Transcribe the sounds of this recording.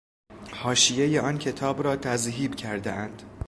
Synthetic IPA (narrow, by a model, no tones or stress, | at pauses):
hɒːʃijejeɒːncʰe̞t̪ʰɒːbɾɒːt̪ʰæzɦiːbcʰæɾd̪ḛʔænd̪̥